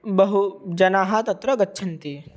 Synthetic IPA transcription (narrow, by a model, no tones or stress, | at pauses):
bɐɦud͡ʒɐnaːɦat̪ɐt̪ɾɐɡɐtːʃʰɐnt̪eː